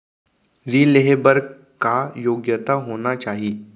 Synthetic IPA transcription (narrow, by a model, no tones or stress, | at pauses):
ɾiːleɦebəɾɡ | kajoːɡjət̪aɦoːnat͡ʃaːɦie